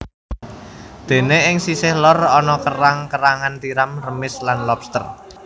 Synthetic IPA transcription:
d̪̥e̤neɪŋsisɪhlɔrɔnɔkəɾaŋkəɾaŋant̪iɾamrəmɪslanlɔpst̪ə̰r

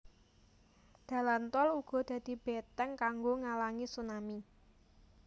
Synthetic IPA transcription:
d̪̥ä̤lant̪ɔluɡ̥ɔ̤d̪̥ä̤d̪̥i̤b̥et̪ɛŋkaŋɡoŋalaŋisunami

